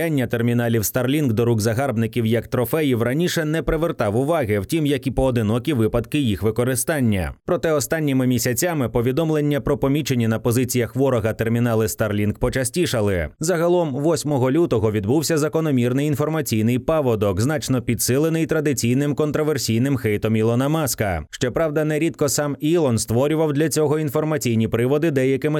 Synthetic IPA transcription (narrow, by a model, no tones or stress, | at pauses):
anʲːɐt̪ermʲinalʲiwst̪ɐrlʲinɡd̪ɔɾuɡzɐɦarbnɪkʲiwjɐkt̪ɾɔfɛjiwrɐnʲiʃɛnɛpɾɪʋert̪ɑwʊʋɑɣɪwtʲimjɐkʲipɔːd̪ɪnɔkʲiʋɪpɐd̪kɪjixʋɪkɔɾɪst̪anʲːɐ̰pɾɔt̪ɛɔst̪anʲːimɪmʲisʲɐt͡sʲamɪpɔʋʲid̪ɔmlˠenʲːɐpɾɔpɔmʲit͡ʃenʲːinɐpɔzɪt͡sʲijɐxʋɔɾɔɣɐt̪ermʲin̪ɑlˠɪst̪ɐrlʲinɡpɔt͡ʃɐsʲtʲiʃɐlˠɪzɐɦɐlˠɔmʋɔsʲmɔɦɔlʲut̪ɔɦɔʋʲid̪buwsʲɐzɐkɔnɔmʲirnɪjinfɔrmɐt͡sʲijn̪ɪjpaʋɔd̪ɔkznɑt͡ʃnɔpʲid̪sɪlˠenɪjt̪ɾɐd̪ɪt͡sʲijnɪmkɔnt̪ɾɔʋersʲijnɪmxɛjt̪ɔmilˠɔnɐmɑskɐʃt͡ʃɔpɾɑwd̪ɐnɛɾʲid̪kɔsɑmilˠɔnst̪ʋɔɾʲʊʋɐwd̪lʲɐt͡sʲɔɦɔinfɔrmɐt͡sʲijnʲipɾɪʋɔd̪ɪd̪ɛjɐkɪmɪ